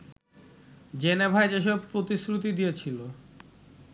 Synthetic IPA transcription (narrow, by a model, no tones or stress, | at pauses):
d͡ʑenebʱaed͡ʑeʃ̬ɔb̚pɾot̪isɾut̪̬id̪ijet͡ɕʰilo